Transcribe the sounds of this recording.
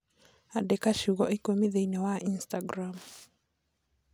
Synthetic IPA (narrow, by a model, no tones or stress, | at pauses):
adɛkaʃuɣɔʔikomiðeinɛwaʔinstaɡɾam